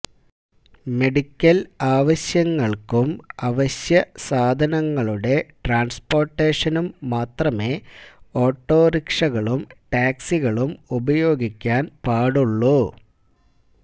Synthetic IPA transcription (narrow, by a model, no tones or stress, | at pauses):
me̞ɽikʲːɐlaːʋɐɕjɐŋːɐɭkumɐʋɐɕjɐsaːd̪ʱɐnɐŋːɐɭuɽe̞ʈraːnspo̞ːrʈːeːʂɐnumːaːt̪rɐme̞o̞ːʈːo̞ːɾikʂɐɣɐɭumʈaːksiɣɐɭumubɐjo̞ːɡʱikʲːaːnpaːɽuɭːu